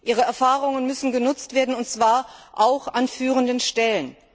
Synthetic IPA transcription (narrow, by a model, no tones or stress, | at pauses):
ʔiːʁ̞əɛɐfaːʁʊŋənmʏsn̩ɡənʊt͡stv̥eːɐdn̩ʊntt͡sv̥aːɐʔaʊxʔanfyːʁəndənʃtɛlən